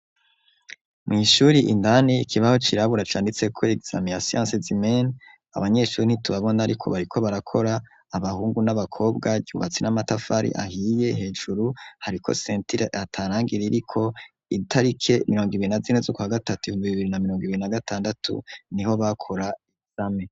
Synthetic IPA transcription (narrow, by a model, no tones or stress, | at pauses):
mŋiːʃuɾiʔḭndanikʰiβaho̞t͡ʃiɾaβuɾat͡ʃaːndit͡se̞kʰoeɡz̥a̰mijasijã̰sezimen | a̰βaɲe̞ʃuɾinhituβaβo̞naaɾikʰo̞βaɾikʰo̞βaɾakʰo̞ɾaː | βahuːŋɡunaβakʰo̞ːbɡaɟihṵβat͡sinamatafaɾḭʔa̰hije̞ɦe̞ːʒuɾuhaɾikʰo̞̰seːntiɾeatʰaɾaːŋɡiɾiɾikʰo̞ | itʰaɾikʰe̞miɾo̞ːŋɡiβiɾinazinezokwaɡatatuihuːmbiβiβiɾinamiɾo̞ːŋɡiβiɾinaɡatʰaːndatʰṵniho̞βakʰo̞ɾaiz̥ame